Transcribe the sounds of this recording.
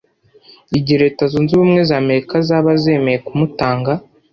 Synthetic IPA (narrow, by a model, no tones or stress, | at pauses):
iɟiɾe̞ːtazuːnziβumŋe̞zaːme̞ɾikazaːβaze̞ːme̞jekumutaːŋɡa